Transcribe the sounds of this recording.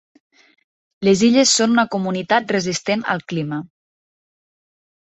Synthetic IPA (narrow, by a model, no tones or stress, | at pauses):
leziʎəsːonunəkumunit̪at̪̚rəzist̪enə̰lˠklimə